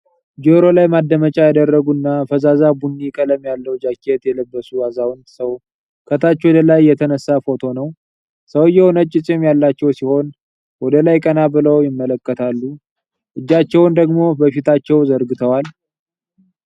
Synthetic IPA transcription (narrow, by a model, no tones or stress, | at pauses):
d͡ʒoɾo̞lajmad̪ːəmət͡ʃʼajad̪ərːəɡunːafəzazabunːikʼələmjalːəwd͡ʒakʰːet̪jɛləbːəsuazawnsəw | kʰət̪ʰat͡ʃːɛwɔd̪əlajːɛt̪ʰənəsːafo̞t̪ʰo̞nəw | səwjɛhonət͡ʃʼːɪt͡sʼɪmjalːat͡ʃːɛwsiho̞n | wɔd̪əlajkʼənabɨləwjɪmːələkːət̪ʰalːu | ʔɨd͡ʒːat͡ʃːɛwnd̪əɡmo̞bəfit̪ʰat͡ʃːɛwzəɾɡɨt̪ʰəwal